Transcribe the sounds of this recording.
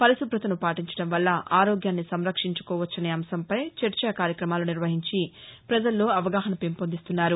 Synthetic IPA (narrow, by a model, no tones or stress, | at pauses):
pɐɾɐsupɾɐt̪ɐnupaːʈiɲt͡ʃɐ̥ɽɐmʋɐlːɐʔaːɾoːɡjaːnːisɐmɾɐkʂiɲt͡ʃu̥kɔːʋɐt͡ʃːɐneːɐmsɐmpɐjt͡ʃeɾt͡ʃɐkaːɾjɐkɾɐmaːluniɾʋɐɦiɲt͡ʃipɾɐd͡ʒɐlːo̞ːɐʋɐɡaːɦɐnɐpempond̪ist̪unːaːɾu